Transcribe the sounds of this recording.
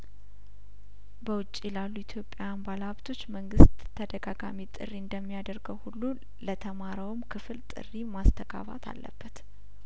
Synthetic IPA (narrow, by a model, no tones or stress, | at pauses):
bəwʊt͡ʃʼːilalːuit̪ʰjo̞pʼjajanbalaβt̪ʰo̞t͡ʃːməŋɡɨst̪ʰːəd̪əɡaɡa̰mit̪ʼɨ̰rːiɨnd̪əmːijad̪əɾɡəwhulːu | lət̪ʰəmaɾəwmkʰɨfɨlt̪ʼɨ̰rːimast̪ʰəɡa̰βa̰t̪ʰa̰lːə̰bːət̪